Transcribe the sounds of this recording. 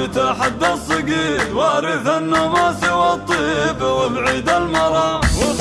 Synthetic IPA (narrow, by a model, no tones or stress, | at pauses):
t̪aħad̪ːasˤːɨɡiːɾwaʔɾɪθʔanːʊmasɪwat̪ˤːiːbwɪlʕiːd̪almɑɾˤɑ